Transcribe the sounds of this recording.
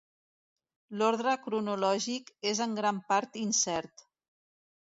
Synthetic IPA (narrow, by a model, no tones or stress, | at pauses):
loɾðɾəkɾunulɔʒikezəŋɡɾampaɾt̪insɛɾt̪